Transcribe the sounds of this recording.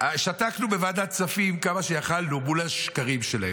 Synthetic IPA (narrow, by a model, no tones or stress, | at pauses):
ʃataknube̞vad̪at͡safimkamaʃejaχalnumulaʃkaʁimʃelae